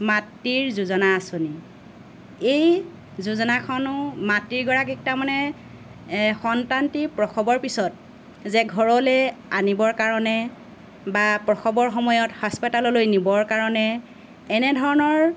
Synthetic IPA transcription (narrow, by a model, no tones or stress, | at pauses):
matːiɹzuzɔnaːsoni | ej | zuzɔnakʰɔnʊmatːiɹɡɔɹakɛk̚tamanɛ | xɔntantipɹɔkʰɔbɔɹpisɔt̚ | zɛɡʱɔɹɔlɛanibɔɹkaɹɔnɛ | bapɹɔxʰɔbɔɹxɔmɔjɔthɔspɔtalɔlojnibɔɹkaɹɔnɛː | nɛdʱɔɹɔnɔɹ